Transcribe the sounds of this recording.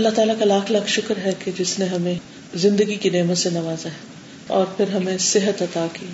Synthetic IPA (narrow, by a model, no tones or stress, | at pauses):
ɐlːaɦt̪aːlakalaːkʰlaːkʰʃʊkɾɦɛked͡ʒɪsneɦɐmẽ | zɪ̃nd̪əɡikineːmət̪senɐʋaːzaɦɛ | ɔːɾpʰɪɾɦɐmẽsɪɦət̪ɐt̪aːki